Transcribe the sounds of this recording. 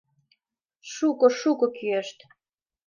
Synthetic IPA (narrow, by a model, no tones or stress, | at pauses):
ʃukɤ̆ʃukɤ̆kyeʃt̪